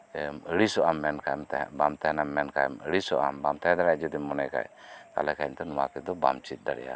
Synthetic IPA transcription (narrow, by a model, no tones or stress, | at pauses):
əɽisɔʔamːɛnkajmt̪bamt̪ɛɦɛnamːɛnkajməɽisɔʔa̰mbamt̪ɛɦɛ̃d̪aɾad͡ʒɛd̪imːɔnɛka̰jka̰lɛkaint̪ɛnɔwakɛd̪ɔba̰mt͡ʃit̪̚ˀd̪aɽɛ̰ja̰